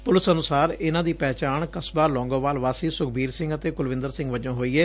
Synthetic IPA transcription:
pʊlɪsənʊsaːɾɪnãːd̪iːpɛːt͡ʃaːɳkəsbaːlɔ̃ːŋɡõːʋaːlʋaːsiːsʊkʰbiːɾsɪ̃ŋɡət̪eːkʊlʋɪ̃nd̪əɾsɪ̃ŋɡʋəd͡ʒãːɦoːiːɛː

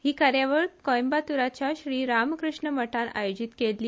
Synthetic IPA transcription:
hiːkaɾjaʋəɭkɔjmbat̪uɾat͡ɕjaɕɾiːɾamkɾuʂɳəməʈʰanʔa̰jod͡ʑit̪kelːiː

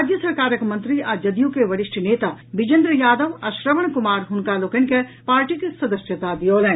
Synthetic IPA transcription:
d͡ʒjəsɐɾkaːɾəkmɐ̃nt̪ɾiad͡ʒɐd̪ijũkeʋɐɾɪʃʈʰneːt̪abɪd͡ʒə̃nd̪ɾəjaːd̪əʋɐʃɾəʋəɳkʊmaːɾɦʊnkalokɪnkepaːɾʈikesɐd̪əsjət̪ad̪ijoːlɛ̃ː

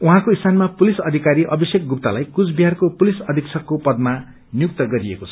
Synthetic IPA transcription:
uɦãkoist̪anmapulisʌd̪ʱikaɾiʔʌbʌsjek̚ɡup̚t̪alajkut͡sbʱijɦarkopulisʌd̪ʱikt͡sʰʌkːopʌd̪̚ma | njuk̚t̪ʌɡʌɾiekot͡sʰʌ̥

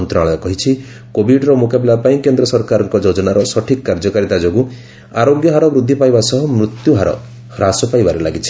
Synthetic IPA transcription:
nt̪ɾɔaɭ̃ɔkɔɦit͡ʃʰi | kobiɖɾɔmukapilapaĩkend̪ɾɔsɔɾkaɾɔŋkɔd͡ʒod͡ʒɔnaɾɔsɔʈʰikɔkːaɾd͡ʒɔkaɾit̪ad͡ʒoɡu | aɾoɡjɔɦaɾɔbɾud̪ʱːipajbasɔɦɔmɾut̪juɦaɾɔ̰ | ɾasɔpajbaɾelaɡit͡ʃʰi̥

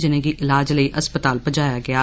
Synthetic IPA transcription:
d͡ʒɪnẽɡiʔɪlaːd͡ʒləiːʔɐspət̪aːlpəd͡ʒaːjaːɡɪaː

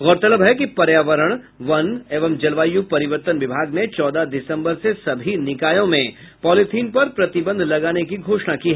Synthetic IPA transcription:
ɣɔːɾt̪ɐləbɦɛkipɐɾjaːʋəɾəɽ̃ | ʋɐneːʋəmd͡ʒɐlʋaːjupɐɾɪʋəɾt̪ənʋɪbʱaːɡnet͡ʃɔːd̪ad̪ɪsə̃mbəɾsesɐbʱinɪkaːjõmẽ | pɔːlɪt̪ʰiːnpɐɾpɾɐt̪ɪbə̃nd̪ʱlɐɡaːnekiɡʱoːʃnakiːɦɛ

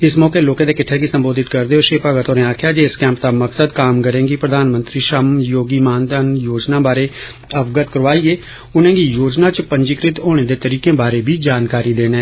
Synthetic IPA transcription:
ɪsmɔːkeːloːkẽːd̪eːkɪʈʰːeːɡiːsəmboːd̪ɪt̪kəɾd̪eːɦoːʃeːpəɡət̪oːnẽːaːkʰjaːd͡ʒeːɪskɛ̃ːmp̚t̪aːməksəd̪kaːmkəɾẽːɡiːpɾəd̪aːnmə̃nt̪ɾiːʃəmjoːɡiːmaːnd̪aːnjoːd͡ʒnãːbaːɾeː | əbɡət̪kəɾʋaːiːeː | ʊnẽːɡiːjoːd͡ʒnãːt͡ʃəpəɲd͡ʒɪkɾɪt̪oːɽ̃eːd̪eːt̪əɾiːkẽːbaːɾeːbʱiːd͡ʒaːnkaːɾiːd̪eːnɛː

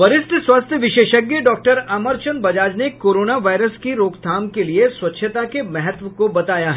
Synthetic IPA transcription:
ʋɐɾɪst̪ʰəswɐst̪ʰjəʋɪʃeːʃəɡjəɖɔːk̚ʈəɾaːməɾt͡ʃənbɐd͡ʒaːd͡ʒnekoːɾoːnaʋaːɪɾəskiɾoːkt̪ʰaːmkelieswɐtːʃʰət̪akemɛɦɛt̪ʋəkobɐt̪aːjaɦɛ

